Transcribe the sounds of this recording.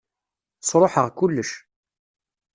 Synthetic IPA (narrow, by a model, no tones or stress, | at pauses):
sˤɾˤoħəʁkulːəʃ